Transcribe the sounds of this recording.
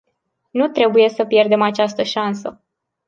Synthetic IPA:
nut̪ɾe̞buje̞səpje̞rd̪e̞mat͡ʃast̪əʃansə

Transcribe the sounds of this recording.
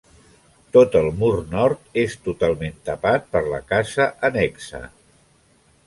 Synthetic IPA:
t̪ot̪əlˠmurnɔɾt̪est̪ut̪alˠment̪əpat̪̚pəɾləkazəʔənɛksə̰

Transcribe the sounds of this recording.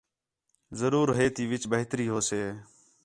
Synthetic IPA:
zəɾuːɾɦeːt̪iːʋɪt͡ʃbəɦt̪ɾiːɦoːseː

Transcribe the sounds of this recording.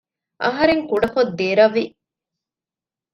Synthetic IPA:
ʔɐɦɐɾeŋkuɖɐkod̪ːeːɾɐʋːi

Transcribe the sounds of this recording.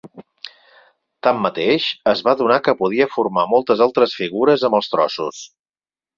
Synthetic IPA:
t̪amːət̪eʃəzβaðunakəpuðiəfuɾmamɔlˠt̪əzalˠt̪ɾəsfiɣuɾəzəmbəlˠst̪ɾɔsṵs

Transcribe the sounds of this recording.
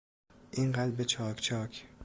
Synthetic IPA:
ʔiɴɢad̪ɾbet͡ʃʰɒːkʰt͡ʃʰɒːkʲʰ

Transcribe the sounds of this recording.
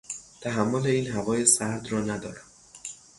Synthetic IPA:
t̪ʰæɦæmːole̞iːnhævɒːje̞sæɾd̪rɒːnæd̪ɒ̰ːɾæm

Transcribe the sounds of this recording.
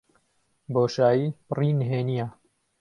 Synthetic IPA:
boːʃaːjiːpriːnɦeːnija

